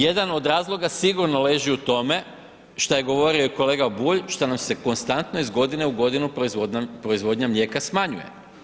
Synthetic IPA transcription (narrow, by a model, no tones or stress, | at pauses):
je̞d̪ano̞d̪ɾaːzlˠo̞ɡasiɡuɾnole̞ːʒiut̪o̞me̞ | ʃt̪ajeɡo̞ʋo̞ɾioiko̞le̞ːɡabuːʎʃt̪anamse̞ko̞nst̪ant̪noizɡo̞d̪ine̞uɡo̞d̪inuzopɾo̞izʋo̞d̪ɲamlʲe̞ːkasmaɲṵje̞̰